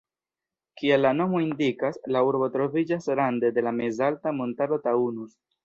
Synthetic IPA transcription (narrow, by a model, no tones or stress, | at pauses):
kielːano̞mo̞indikaslauɾbo̞tɾo̞vid͡ʒasɾande̞de̞lamezaltamontado̞taunus